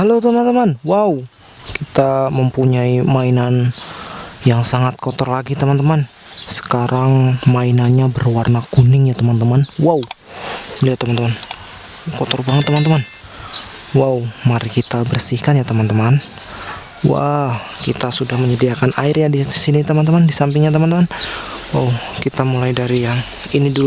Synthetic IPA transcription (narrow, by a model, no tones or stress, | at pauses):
halot̪əmant̪əmanwawu | kit̪aməmpuɲaimainan | jaŋsaŋat̪̚kot̪ɔrlaɡit̪əmant̪əman | sə̥kaɾʔaŋmainanɲabərwarnakunɪŋjat̪əmant̪əmanwaw | bəliat̪əmant̪əman | kɔt̪ɔrbaŋət̪ːəmant̪əman | waumaɾikit̪abərsihkanjat̪əmant̪əman | wa̰ | kit̪asudahməɲədiakanaɪrjadisinit̪əmant̪əmandisampɪŋɲat̪̬əmant̪əmanwaw | kit̪amulajdaɾijaŋ | inidu